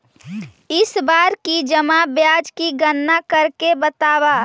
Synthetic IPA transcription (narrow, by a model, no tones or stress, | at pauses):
ɪsbaːɾkid͡ʒəmabjaːd͡ʒkiɡənːakəɾkebət̪aːbaː